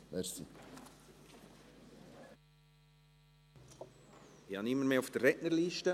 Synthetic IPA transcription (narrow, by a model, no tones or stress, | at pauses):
ʋɛɾsi | iɑnɪmːəɾmeːʊfd̥ɛrɛʔnəɾliːʃtə